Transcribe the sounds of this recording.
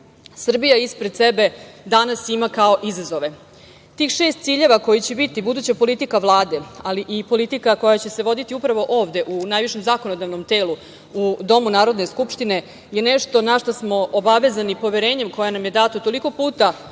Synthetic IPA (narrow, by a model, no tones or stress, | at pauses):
sr̩bijaispɾed̪t̪sebe̞d̪anasimakao̞ʔizazo̞ʋe̞ | t̪iːxʃeːst̪t̪siːʎe̞ʋako̞jit͡ɕebit̪ibud̪uːt͡ɕapo̞lit̪ikaʋlˠaːd̪e̞aliʔipo̞lit̪ikako̞jat͡ɕe̞se̞ʋo̞d̪it̪iupɾaʋo̞ʔo̞ːʋd̪e̞ʔunaːjʋiʃe̞mzaːko̞nod̪aʋnomt̪eːlu | ud̪o̞munaːɾo̞d̪ne̞skupʂt̪ine̞ | jeneʃt̪o̞naʃt̪osmo̞ʔobaʋe̞zanipo̞ʋeɾeːɲemko̞janamje̞d̪at̪ot̪o̞liko̞puːt̪a